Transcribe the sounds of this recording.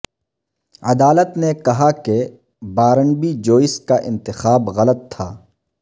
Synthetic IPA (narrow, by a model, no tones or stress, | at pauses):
ɐd̪aːlət̪nekɐɦake | baːɾəɳbid͡ʒoːɪskaʔɪ̃nt̪ɪxaːbɣɐlət̪ʰːa̰ː